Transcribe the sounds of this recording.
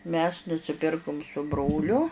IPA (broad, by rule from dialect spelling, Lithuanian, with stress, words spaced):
mʲɛs nʊsʲɪˈpʲɪrkʊm sʊ ˈbroːlʲʊ